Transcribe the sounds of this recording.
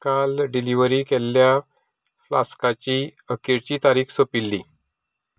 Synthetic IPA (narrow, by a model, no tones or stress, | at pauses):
kalɖiliʋəɾiːkɛlːja | fla̰skat͡ɕiːəkiɾt͡ɕiːt̪aɾiːksəpilːiː